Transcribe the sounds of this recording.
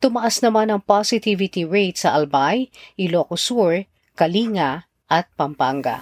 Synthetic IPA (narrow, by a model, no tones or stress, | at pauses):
t̪ʊmɐʔasnɐmanɐŋpasɪt̪ivɪt̪iɹejt̪sɐʔɐlbajʔɪlokʊsuɹ | kɐliːŋa | ʔɐt̪̚pɐmpaŋɡa̰